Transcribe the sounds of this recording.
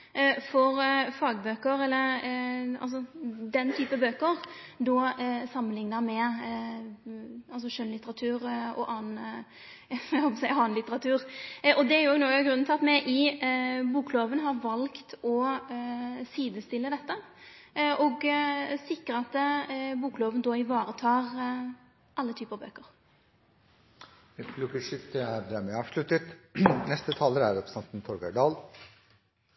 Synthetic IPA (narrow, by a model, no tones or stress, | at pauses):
fɔɾfɑːɡbøːkəɾɛlːəɾɑ̰ls̬ɔd̪ɛnt̪ʰyːpəbøːkəɾd̪ɔsɑmːənlɪŋnəɾmɛ | ɑlsɔʃœnlɪt̪əɾɑt̪ʰʉːɾɔ̰ʔɑːn | hɔpsæɪɑːnlɪt̪əɾɑt̪ʰʉːɾʔɔd̪ɛæɾjʊoːɡnoːɡɑɡɾʉnːt̪ʰlɑt̪mɛɪʔɪ | buːkloːʋənɦɑɾʋɑlkt̪ʰɔ | siːd̪əst̪ɪlːəd̪ɛt̪ːə | ʔɔɡsɪkːʁəɑt̪ːbuːkloːʋənd̪ɔɪʋɑːɾət̪ʰɑːʁ | ʔɑlːət̪ʰyːpəɑbø̰ːkəɾ | pʰlʊkəʂɪt̪̚d̪ɛæɾd̪ɛɾmɛɑːʋʂlʉt̪ət̪nɛst̪ət̪ʰɑːləɾæɾɛpsɛnt̪n̩t̪ʰɔɾɡø̰ɖɑːl